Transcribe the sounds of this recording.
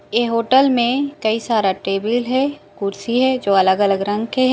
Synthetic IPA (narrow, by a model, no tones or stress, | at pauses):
eːɦoːʈəlmẽkɐisaːɾaʈeːbɪlɦɛkʊɾsiɦɛd͡ʒoːɐləɡɐləɡɾɐ̃ŋɡkeɦ